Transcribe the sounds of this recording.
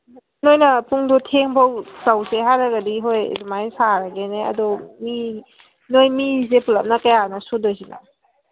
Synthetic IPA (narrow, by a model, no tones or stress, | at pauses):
nojnɐpuŋdɔtʰeŋbawsawseɦajɾaɡadiɦoj̰dumajsaɾaɡeneɐ̰dɔmi | nojmis̬epulap̚nɐkajanɔsudojsina̰